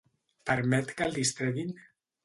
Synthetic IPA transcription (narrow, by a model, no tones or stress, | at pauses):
pəɾmɛt̪kald̪ist̪ɾeðin